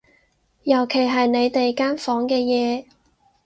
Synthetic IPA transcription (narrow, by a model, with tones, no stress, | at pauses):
jɐ˨˩wkʰe˨˩jɦɐ˨jne˨˧jt̪e˨jkaː˥nfɔː˨˥ŋkɛː˧jɛː˨˧